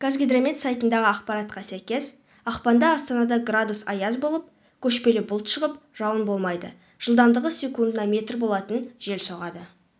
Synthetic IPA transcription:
kʰazɡʲed̪ɾamet̪sajt̪ənd̪ɑʁəɑqpɑɾɑt̪qɑsæjkʲe̞z̥ | ɑqpɑnd̪ɑːst̪ɑnɑd̪ɑɡrad̪usɑ̰jɑzbo̞lˠəp̚ | kʲʰɵʃpe̞lɪbʊlˠt̪ʃəʁəpʒ̥ɑwənbo̞lˠmɑjd̪ə | ʒ̥əlˠd̪ɑmd̪əʁəsʲe̞kund̪ənɑme̞t̪rbo̞lˠɑt̪ənʒe̞lso̞ʁɑd̪ə

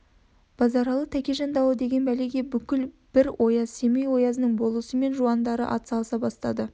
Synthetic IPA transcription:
b̥ɑzɑɾɑlˠət̪ʰækʲe̞ʒɑnd̪ɑwəd̪e̞ɡʲe̞nbæleɡʲe̞bʏkʲɪl | b̥ɪɾwʔo̞jɑzse̞mejwo̞jɑzənəɴbo̞lˠəsəme̞nʒuɑnd̪ɑɾə̰ʔɑ̰t̪sɑlˠəsɑbɑst̪ɑd̪ə

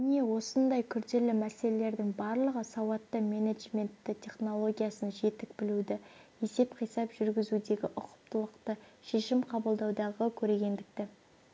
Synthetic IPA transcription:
ɪne̞wo̞sənd̪ɑjkʲʰʏɾd̪e̞lɪmæse̞lele̞ɾd̪ɪŋbɑɾlˠəʁəsɑwɑt̪ːəmʲe̞neʒmʲe̞nt̪ːɪt̪ʰʲe̞χno̞lˠo̞ɡʲijɑsənʒe̞t̪ɪk̚bɪlud̪ɪe̞se̞pqʰijsɑpʒ̥ʏɾɡʲɪzud̪e̞ɡʲɪʔʊqə̥p̚t̪əlˠəqt̪əʃe̞ʃɪmqʰɑbəlˠd̪ɑwd̪ɑʁəkʲʰɵɾe̞ɡʲe̞nd̪ɪk̚t̪ɪ

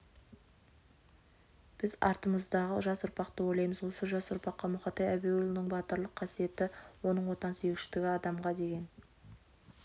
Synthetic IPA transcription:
b̥ɪzɑ̰ɾt̪əməzd̪ɑʁəʒɑsʊɾpɑqt̪əwo̞jlˠɑjməzwo̞səʒɑsʊɾpɑqːɑmʊχɑt̪ɑjæbeʊlˠɪnɪŋbɑt̪əɾlˠəqʰːɑsije̞t̪ɪwo̞nəɴwo̞t̪ɑnsijekʃɪt̪ɪɡʲɪɑd̪ɑmʁɑd̪e̞ɡʲe̞n

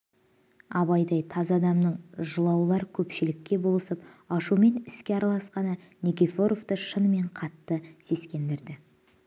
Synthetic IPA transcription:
ɑbɑjd̪ɑjt̪ʰɑzɑd̪ɑmnəɴʒəlˠɑwlˠɑɾkʲʰɵpʃɪlɪkʲːe̞bo̞lˠəsəpɑʃume̞nɪskʲe̞ɑɾɑlˠɑsqɑnənʲekʲefo̞ɾo̞vt̪əʃənme̞ɴqʰɑt̪ːəse̞skʲe̞nd̪ɪɾd̪ɪ

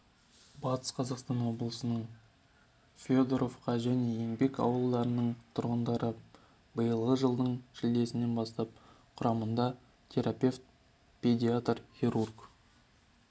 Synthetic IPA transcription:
bɑt̪ʰə̥sqʰɑzɑqst̪ɑnwo̞blˠəsənəɴ | fʲod̪oɾo̞fqɑʒæne̞jembe̞kɑ̰wəlˠd̪ɑɾənəɴt̪ʰʊɾʁənd̪ɑɾə | bəjəlˠʁəʒəlˠd̪əɴʃɪld̪e̞sɪne̞nbɑst̪ɑp̚ | qʰʊɾɑmənd̪ɑ | t̪ʲʰe̞ɾapʲe̞ft̪̚ | pʰʲedʲiat̪rχʲiɾurɡ

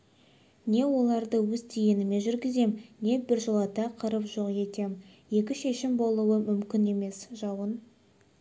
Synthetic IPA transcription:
ne̞wo̞lˠɑɾd̪əwɵzt̪ʰeje̞nɪme̞ʒʏɾɡʲɪze̞mne̞bɪɾʒolˠɑt̪ɑqʰəɾəpʒo̞qje̞t̪e̞m | je̞kʲɪʃe̞ʃɪmbo̞lˠuwəmʏmkʲɪne̞me̞sʒ̥ɑwən

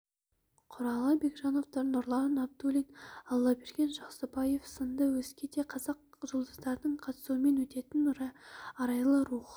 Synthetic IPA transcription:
qʰʊɾɑlˠəbe̞ɡʒɑnovt̪ənʊɾlˠɑnɑb̚d̪ulʲinɑlˠːɑbeɾkʲe̞nʒɑqsəbɑje̞fsənd̪əwɵzkʲed̪e̞qʰɑzɑqʒolˠd̪əzd̪ɑɾənəɴqʰɑt̪ə̥suəme̞nwɵt̪e̞t̪ɪnɾɑɑɾɑjlˠəɾuχ

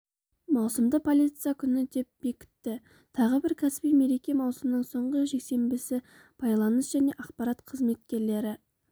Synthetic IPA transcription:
mɑwsəmd̪əpʰo̞lʲˠijt̪sɨjakʲʰʏnɪd̪e̞p̚be̞kʲɪ̥t̪ːɪ | t̪ʰɑʁəbɪɾkʲʰæsɪ̥pijme̞ɾe̞kʲe̞mɑwsəmnəɴso̞ɴʁəʒe̞kse̞mbɪsɪ | b̥ɑjlˠɑnəsʒ̥æne̞ʔɑqpɑɾat̪qʰəzme̞t̪̚kʲe̞ɾle̞ɾɪ

